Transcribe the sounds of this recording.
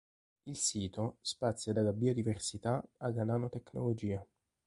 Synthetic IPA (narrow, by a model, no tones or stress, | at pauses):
ilsiːt̪ospat̪sːjad̪alabiːod̪iversit̪aaɡanaːnot̪ekno̰lod͡ʒiːa